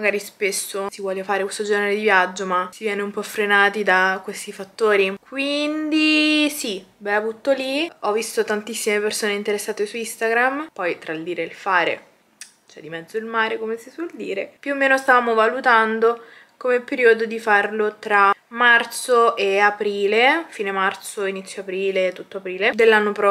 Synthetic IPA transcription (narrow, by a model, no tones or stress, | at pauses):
maɡaːɾispesːosivwɔːlefaːɾekwest̪od͡ʒɛːneɾed̪ivjad͡ʒːomasivjɛːneumpɔfɾenaːt̪id̪akwest̪ifat̪ːoːɾikwind̪isi | bɛavut̪oliɔvːist̪ot̪ant̪isːimepersoːneint̪eɾesːaːt̪esuist̪aɡɾampɔjt̪ɾald̪iːɾelfaːɾḛ | t͡ʃoɛ̰d̪imɛd̪zːoilmaːɾekomesiswɔld̪ḭːɾepjuomːeːnost̪avaːmovalut̪and̪o | komepeɾiːod̪od̪ifarlot̪ɾamart̪soʔeapɾiːlefiːnemart̪soinit̪sːjoapɾiːlet̪ːut̪ːoapɾiːled̪elːanːopɾɔ